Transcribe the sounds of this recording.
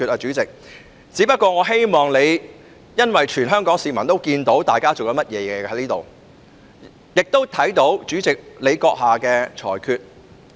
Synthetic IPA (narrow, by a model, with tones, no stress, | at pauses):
y˧t̚aː˧t͡ʃyː˨˥t͡sɪ˨k̚ | t͡siː˨˥pɐ˥t̚kʷɔː˧ŋɔː˨˧ɦe˥jmɔː˨˩ŋle˨˧j | jɐ˥nwɐ˨jt͡ʃʰyː˨˩nɦœː˥ŋkɔː˨˥ŋsiː˨mɐ˨˩nt̪o˥wkiː˧nt̪o˨˥wt̪aː˨˩jkaː˥t͡so˨wjɐ˨˥mɐ˥t̚jɛː˨˧jɛ˧hɐ˨˥jliː˥t̪o˨˩w | jɪ˨k̚t̪o˥wt̪ʰɐ˨˥jt̪o˨˥wt͡ʃyː˨˥t͡sɪ˨k̚le˨˧jkɔː˧k̚haː˨˩kɛː˧t͡ʃʰɔ̰ː˨˩jkʰyː˧t̚